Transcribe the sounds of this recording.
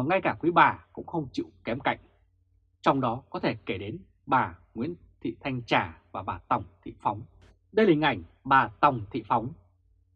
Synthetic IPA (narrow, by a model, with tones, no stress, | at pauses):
ŋa˧jkaː˧˩kwi˨˦ɓaː˨˩kʊ̰˧˥ŋ͡mxə˧wŋ͡mt͡ɕḭ˧˨wkɛ˨˦mka̰˧˨jŋ̟ | t͡ɕɔ˧wŋ͡mɗɔ˨˦kɔ˨˦t̪ʰe˧˩ke˧˩ɗe˨˦n | ɓaː˨˩ŋwḭ˧˥n | t̪ʰḭ˧˨t̪ʰa˧jŋ̟t͡ɕaː˧˩vaː˨˩ɓaː˨˩t̪wŋ͡mt̪ʰḭ˧˨fɔ˨˦wŋ͡m | ɗə˧jlaː˨˩ŋa˨˩jŋ̟ɓaː˨˩t̪a˨˩wŋ͡mt̪ʰḭ˧˨fɔ˨˦wŋ͡m